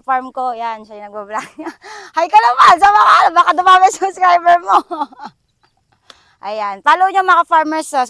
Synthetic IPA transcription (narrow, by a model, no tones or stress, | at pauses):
faɹmkojanʃɐjnɐɡ̚bablakɲhɐjkɐlɐmansɐmɐkalobaːkɐd̪ʊmaːmɐsʊbskɹajbɛɹmo | ʔɐjanpaːloɲomɐkɐfaɹmɛɹsɐ